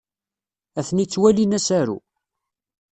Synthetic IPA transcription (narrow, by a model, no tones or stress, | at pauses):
æθnit͡sːwælinæsæɾṵ